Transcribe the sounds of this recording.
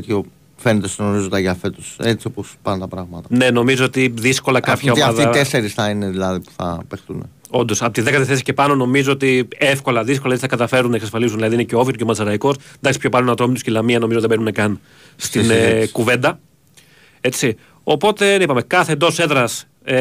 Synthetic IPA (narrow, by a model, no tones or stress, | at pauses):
t̪ço | fenet̪esenomizut̪ɐʝɐːfet̪uset͡sio̞pospɐnt̪ɐpɾɐɣmɐt̪ɐne̞no̞mizoot̪iðisko̞lɐkʔɐpçɐoiɐfðeseɾisθɐineðilɐðipu̥θɐ̰pexθunḛ | o̞nd̪o̞sɐpot̪iðe̞kɐt̪iθesi̥ce̞pɐno̞no̞mizoot̪iefko̞lɐðisko̞lɐet͡siθɐkɐt̪ɐfe̞ɾunːɐeksɐsfɐlizunðilɐðineceoviot̪u̥comɐt͡sɐɾɐikosd̪ɐksi̥pçopɐlunɐt̪ɾomit̪uscilɐmiɐnomiot̪ðbenunɐkɐn | st̪inkuve̞nd̪ɐ | e̞t͡si | o̞po̞t̪e̞nipɐme̞kɐθend̪o̞se̞ðɾɐs